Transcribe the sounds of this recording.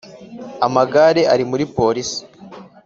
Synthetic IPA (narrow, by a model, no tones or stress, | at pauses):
amaɡaːɾe̞ʔaɾimuɾipo̞ɾisi̥